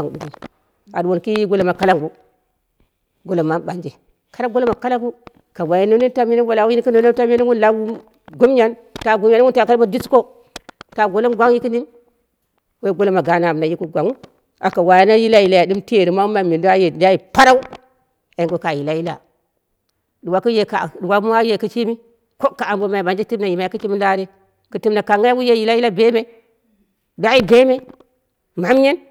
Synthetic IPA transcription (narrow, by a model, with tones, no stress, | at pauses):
a˨ŋdu˨ɡu˨ | a˨dwo˨nki˦i˦ɡo˦lo˨ma˨ka˦la˦ŋɡu˦ | ɡo˦lo˨ma˦ba˨nd͡ʒe˨ | ka˦ɾa˦ɡo˦lo˦ma˨ka˦la˦ŋɡu˦ | ka˨wa˨ji˨no˦ni˦ta˦mi˦ni˦wa˨la˨wu˦i˦ki˦no˦no˦ta˦m˦e˦ni˦wu˦la˦u˦ | ɡu˦m˦ɲa˦n | ta˨ɡu˨mja˨n˦wu˦nta˨ka˦lo˦di˦sko˦ | ta˨ɡo˨lo˦mɡʷa˦ŋ˦ji˦ki˦ni˦n | we˦ɡo˦lo˦ma˨ɡa˨na˨a˨m˨na˨ji˦ku˦ɡʷa˨ŋu˦ | a̰˨ka˨wa˨ja˦na˦ji˦la˦ji˨la˨ja˨di˦mti˦e˨ɾi˨ma˦ma˨mi˨du˦a˦je˨da˦ji˨pa˦ɾa˦u˦˨ | ɡo˦ka˨ji˨la˦ji˦la̰˨ | du˨wa˨ku˦je˨ka˨du˨wa˨mu˦a˦je˨ki˦t͡ʃi˦mi˦ | ko˦kːa˨a˨mbo˦ma˨ji˨ba˨nd͡ʒe˦ti˦m˦na˨ji˨ma˨ji˨ki˦t͡ʃi˦mi˦la˦ɾe˦ | ku˨ti˦mna˨ka˨ŋɡa˦a˦wu˦je˦ji˨la˦ji˦la˦be˦me˨ | da˦i˦be˦me˦ | ma˨˦m˦ɲe˦n